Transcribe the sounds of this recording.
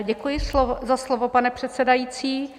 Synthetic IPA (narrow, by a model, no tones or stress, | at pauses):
ɟɛkujɪslozaslovopanɛpr̝̥ɛt̪sɛdajiːt͡siː